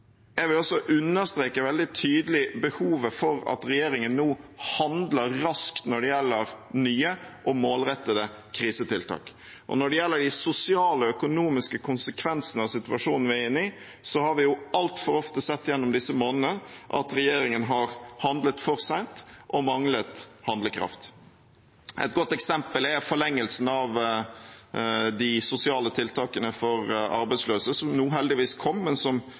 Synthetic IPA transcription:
jɛɡʋɪlɔsːɔʔʉnːəɾst̪ɾeːkəʋɛld̪ɪt̪ʰyːd̪əlɪbəhuːʋəfɔɾɑ̰t̪ɾɛjeːɾɪŋənːuːhɑnd̪ləɾɾɑskt̪nɔɖɛjɛlːəɾnyːəʔɔmoːlɾɛt̪ːəd̪ə | kʰɾiːsət̪ʰɪlt̪ʰɑ̰ːk | ʔɔ̰nɔɖɛjɛlːəɖɪsʊsɪɑːləɔœkʊnuːmɪskəkʰʊnsəkʰʋɛnsənəɑʋsɪt̪ʉɑʂuːnn̩ʋɪæɪnːɪ | sɔhɑɾʋɪjʊʔɑlt̪fɔɾɔft̪əsɛt̪ːjɛnːɔmd̪ɪsəmoːnənəʔɑ̰t̪ɾɛjeːɾɪŋənɦɑɾhɑnd̪lət̪fɔɾsæɪnt̪ʔɔmɑŋlət̪hɑnd̪ləkʰɾɑ̰ft̪ | ʔɛ̰t̪̚ɡɔt̪ːɛksɛmpəlɛfɔɭɛŋːəlsn̩ɑʋ | d̪ɪsʊsɪɑːlət̪ʰɪlt̪ʰɑːkənəfɔɾɑ̰ɾbæɪsløːsəsɔmnuːɦɛld̪ɪʋiːskʰɔmːɛnsɔm

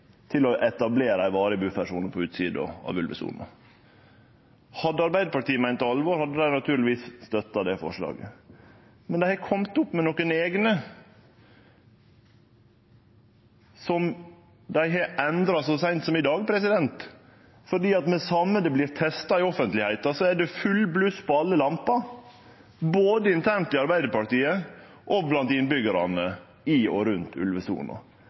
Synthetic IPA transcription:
t̪ʰɪlɔʔɛt̪ɑbleːɾɑɪʋɑːɾəbʉːfæʂuːn̩pʰɔʉːt̪sḭːd̪ɔ̰ɑ̰ʋʉ̰lʋə̰sṵːnɑ̰ | hɑd̪ːəɑɾbæɪd̪əpɑʈiːəmæɪnt̪ɔɑlʋoːɾhɑd̪ːəd̪æɪnɑt̪ʰʉːɾlɪʋiːsst̪œt̪ːɑd̪ɛfɔ̰ʂɭɑ̰ːɡə̰ | mɛnd̪æɪhɑkʰɔmt̪ʊpːmɛnɔkəneːɡnə | sɔm | d̪æɪɦɑʔɛnd̪ɾɑsɔsæɪnt̪sɔmɪd̪ɑːɡpʰɾɛsɪd̪ɛnt̪ | fɔɖiːɑt̪mɛsɑmːəd̪ɛblɪːɾt̪ʰɛst̪ɑɪɔfənt̪lɪhæɪt̪ɑsɔæɖɛfʉlːblʉspʰɔɑlːəlɑmpɑ | boːd̪əɪnt̪ʰæːɳt̪ɪɑɾbæɪd̪əɾpɑɾt̪iːə | ʔɔblɑnt̪ɪnbʏɡəɾɑ̰nə | ɪɔ̰ɾʉnt̪ʰʉ̰lʋəsṵːɳɑ̰

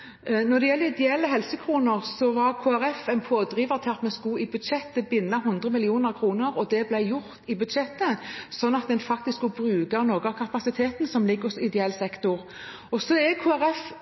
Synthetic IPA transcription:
nɔd̪ɛjɛlːəɾɪd̪ɛɛlːəɦɛlsəkʰɾuːnəʁsɔʋɑɾkʰoːæɾɛfɛnpʰoːd̪ɾiːʋəɾt̪ʰɪɑt̪mɛskʊɪbʉd̪ʃɛt̪ːəbɪnːɑɦʉnd̪ʁəmɪlɪuːnəɾkʰɾuːnəɾɔd̪ɛblæɪjʊʁt̪ɪbʉd̪ʃɛt̪ːəsɔnːɑt̪̚d̪ɛnfɑk̚t̪ɪskkʊbɾʉːɡɑnoːɡəɑkʰɑpɑsɪt̪ʰeːt̪nsɔmlɪɡːɔsɔɪd̪ɛɛːlsɛkt̪ʊʁ | ɔsɔɛkʰoːæɾɛf

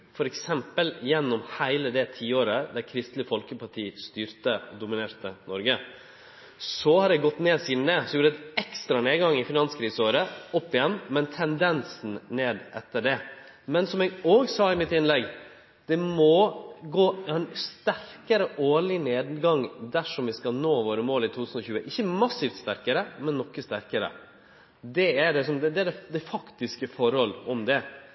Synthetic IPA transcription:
fɔɾɛksɛmpəljɛnːɔmhæɪləd̪ɛt̪ʰiːoːɾəd̪æɾkʰɾɪst̪lɪfɔlkəpɑʈʰiːst̪yːɾt̪əɔ̰d̪ʊmɪneːt̪ənɔɾɡə | sɔhɑɾɛɡɔt̪ːneːsiːd̪n̩ɛsɔjuːɖəɛt̪ɛkst̪ɾɑneːd̪ɡɑŋːɪfɪnɑnskʰɾiːsəoːɾəɔpːɪjɛnːmɛnt̪ʰɛnd̪ɛnsn̩neːd̪ʔɛt̪ːəɖɛ | mɛnsɔmɛɡoːɡsɑːɪmɪt̪ɪnlɛɡ | d̪̥ɛmɔɡoːɛnst̪æɾkəɾəʔoːɭɪneːd̪ɡɑŋd̪æʂɔmʋɪskɑnoːʋoːɾəmoːlɪt̪ʰuːt̪ʰʉːsn̩ɔçʉːəʔɪçːəmɑsːiːft̪st̪æɾkəɾəmɛnːɔkːəst̪æɾkəɾə̰ | d̪ɛæɖɛsɔmd̪ɛd̪ɛæɖɛd̪ɛfɑkt̪ɪskəfɔɾhɔlːɔmd̪ɛ

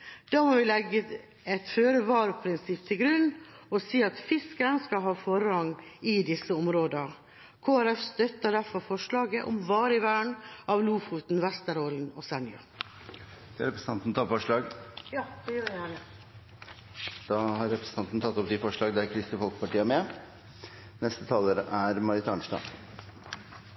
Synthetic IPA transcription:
d̪̥ɑːmɔʋɪlɛɡːə | ɛt̪føːɾəʋɑːɾpʰɾɪnsɪpt̪ʰɪlɡɾʉnːɔsiːɑt̪fɪskəɾənskɑɦɑːfɔɾəɑŋɪd̪ɪsːəɔmɾoːd̪ə | kʰoːæɾɛfst̪œt̪ːəɖ̪æɾfɔɾfɔʂɭɑːɡəʔɔmʋɑːɾəɪʋæːɳʔɑʋluːfuːt̪n̩ʋæst̪əɾoːlən̩ɔsɛnɪɑ̰ | d̪̥ɛɾɛpɾəsn̩ɑnt̪n̩t̪ʰɑfɔʂɭɑːɡjɑːd̪̥ɛjøːɾjæːnə | d̪̥ɑːhɑɾɾɛpɾəsən̩ɑnt̪n̩t̪ʰɑt̪ːɔp̚d̪ɪfɔʂɭɑːɡd̪ɛæɾkʰɾɪst̪əfɔlkə̥pɑʈiːəmɛ | nɛst̪ət̪ʰɑːləɾʔæɾmɑɾɪt̪ʰɑːɳʂʈɑ̰ː

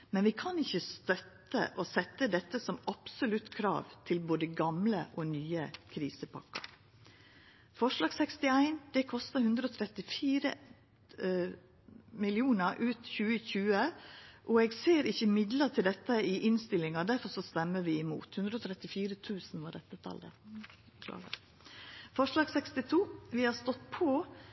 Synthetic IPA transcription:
mɛnʋɪkʰɑnɪçːəst̪œt̪ːə̰ʔɔsɛt̪ːəd̪ɛt̪ːəsɔmɑpsʊlʉt̪ːkʰɾɑ̰ːʋt̪ʰɪlboːd̪əɡɑmləʔɔnyːəkʰɾiːsəpʰɑ̰kːɑ̰ɾ | fɔʂlɑːɡsɛkst̪ɪæɪnd̪̥ɛkʰɔst̪əhʉnd̪ɾəɔt̪ʰɾɛt̪ːɪfiːɾə̰ | mɪlɪuːnəɾʔʉːt̪çʉːəçʉːəʔɔɛɡseːɾɪçəmɪd̪lət̪ʰɪld̪ɛt̪ːəɪʔɪnst̪ɪlːɪŋɑd̪æɾfɔɾʂɔst̪ɛmːəʋɪɪmṵːt̪hʉnd̪ɾəɔːt̪ʰɾɛt̪ːɪfiːɾət̪ʰʉːsn̩ʋɑɖɛt̪ːət̪ʰɑ̰ld̪ɛ̰ | kʰlɑ̰ː | fɔʂlɑːɡsɛkst̪ɪt̪ʰuːʋɪhɑɾst̪ɔt̪pʰɔ

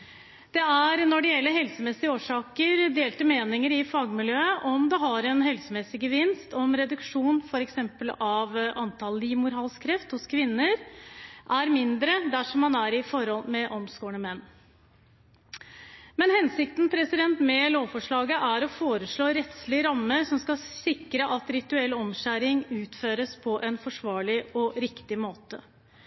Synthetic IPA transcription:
d̪̥ɛæɾnɔɖɛjɛlːəɦɛlsəmɛsɪəoːʂɑːkəɾd̪eːlt̪əmeːnɪŋəɾɪfɑːɡmɪljøːəʔɔmd̪ɛɦɑɾɛnɦɛlsəmɛsɪɡəʋɪnst̪ɔmɾɛd̪ʉkʂuːnfɔɾɛksɛmpəlɑʋʔɑnt̪ʰɑlɪmʊɾɑːlskʰɾɛft̪hʊskʰʋɪnːəɾʔæɾmɪnd̪ɾəd̪æʂɔmːɑnæɾɪfɔɾhɔlmɛʔɔmskoːɳəmɛnː | mɛnhɛnsɪkt̪ənpʰɾɛsɪd̪ɛnt̪mɛloːfɔʂɭɑːɡəʔæɾɔfoːɾəʂɭoːɾɛt̪slɪəɾɑmːəɾsɔmskɑsɪkːɾəʔɑt̪ɾɪt̪ʉɛlːɔmɕæɾɪŋʉːt̪føːɾəspʰɔʔɛnfɔʂʋɑːɭɪɔɾɪkt̪ɪmoːt̪ə

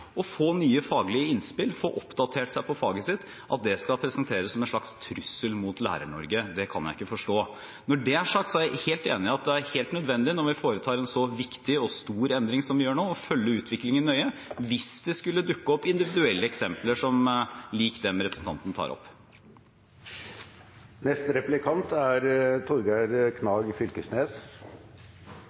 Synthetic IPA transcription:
ɔfoːnyːəfɑːɡlɪəɪnspɪlfoːʔɔpd̪ɑt̪ʰeːʈsæɪpɔfɑːɡəsɪt̪ː | ʔɑt̪̚d̪ɛskɑpʰɾɛsənt̪ʰeːɾəsɔmɛnʂɭɑkst̪ʰɾʉsːəlmut̪læ̰ːɾə̰ɳɔɾɡəd̪ɛkʰɑ̰njæ̰ɪɪ̰kːəfɔʂʈoː | nɔɖɛæʂɑːk̚t̪sɔæɪheːlt̪ḛːnɪɑt̪̚d̪ɛæɾheːlt̪nœd̪ʋɛnd̪ɪnɔɾʋɪfoːɾət̪ʰɑːɾɛnsɔʋɪkt̪ɪɔst̪uːɾɛnd̪ɾɪŋsɔmʋɪjøːɳoːɔfœlːəʉːt̪ʰʋɪklɪŋɪnœʏəʋɪsd̪ɛskʉlːəd̪ʉkːəɔpːɪnd̪ɪʋɪd̪ʉɛlːəɛksɛmpləʂɔmliːkd̪ɛmɾɛpɾəsn̩t̪ɑ̰nt̪nət̪ʰɑ̰ːɾɔ̰pː | nɛst̪ɾɛplɪkʰɑnt̪æɾt̪ʰɔɾɡæɾkʰnɑːɡfʏlkəsneːs

